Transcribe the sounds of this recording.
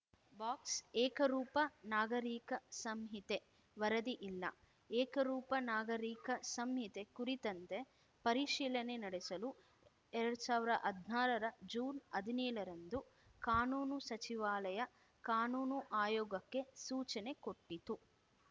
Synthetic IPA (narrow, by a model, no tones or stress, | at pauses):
baːksɛːkɐɾuːpɐnaːɡɐɾiːkɐsɐmɦit̪e | ʋɐɾɐd̪iʔilːɐ̰ | ɛːkɐɾuːpɐnaːɡɐɾiːkɐsɐmjit̪e̞kuɾit̪ɐnt̪e̞ | pɐɾiʃiːlɐnenɐɽesɐlu | ɛɾɐɽusaːʋiɾɐɐʔɐd̪ʱnaːlɐɾɐd͡ʒuːnɐd̪ʱinɛːɭɐɾɐnd̪u | kaːnuːnusɐt͡ʃiʋaːlɐjɐ | kaːnuːnuʔaːjɔːɡɐkːe̞suːt͡ʃɐne̞ko̞ʈːit̪u